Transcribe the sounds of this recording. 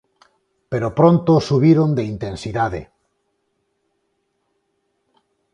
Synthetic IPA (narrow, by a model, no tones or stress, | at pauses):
peɾopɾont̪osuβiɾond̪eint̪ẽnsiðaðḛ